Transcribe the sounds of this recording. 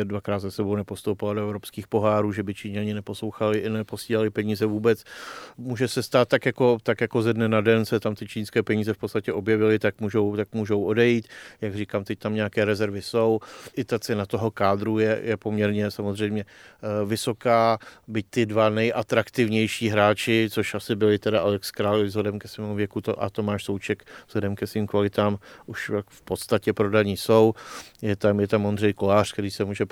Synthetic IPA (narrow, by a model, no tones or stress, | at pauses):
ɛdvakɾaːt̪zasɛbo̞wnɛpo̞st̪owpɪladoɛvɾopskiːxpo̞ɦaːɾuːʒɛbɪt͡ʃiːɲɛaɲɪnɛpo̞slo̞wxalɪʔɪnɛposiːlalɪpɛɲiːzɛvuːbɛt͡smuːʒɛsɛst̪aːt̪̚t̪ːakjako̞t̪akjako̞zɛdnɛnadɛnsɛt̪amt̪ɪt͡ʃiːnskɛːpɛɲiːzɛfpo̞tt͡sst̪acɛʔo̞bjɛvɪlɪt̪ak̚muːʒo̞wt̪ak̚muːʒo̞wo̞dɛjiːt̪jaɡriːkaːmt̪ɛc̚t̪amɲɛakɛːɾɛzɛɾvɪso̞wʔɪt̪at͡sɛnat̪o̞ɦo̞kaːd̪ɾujɛjɛpo̞mɲɛɾɲɛsamozr̝ɛjmɲɛvɪso̞kaːbɪc̚t̪ɪdvanɛjʔat̪ɾakt̪ɪvɲɛjʃiːɦɾaːt͡ʃɪt͡soʃʔasɪbɪlɪt̪ɛdaalɛkskɾaːlɪvzlɛdɛmkɛsʋɛːmuvjɛkut̪o̰ʔa̰t̪o̞maːʃsowt͡ʃɛkvz̥lɛdɛmkɛsviːmkvalɪt̪aːmʔuʃafpo̞t̪st̪acɛpɾodaɲiːsowjɛt̪amjɛt̪amond̪r̝ɛjko̞laːr̝̥kt̪ɛɾiːsɛmuːʒɛ